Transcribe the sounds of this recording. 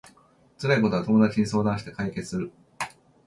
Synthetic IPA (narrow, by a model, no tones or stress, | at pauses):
t͡sɨɾaiko̞t̪oat̪o̞mo̞d̪at͡ɕiɲ̟iso̞ːd̪ãɰ̃ɕi̥t̪e̞̥kaike̞t͡sɨ̥sɨɾɯ̟